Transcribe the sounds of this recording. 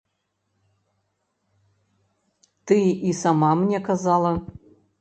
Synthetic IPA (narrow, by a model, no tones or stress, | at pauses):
tɨisamamnʲekazalˠɐ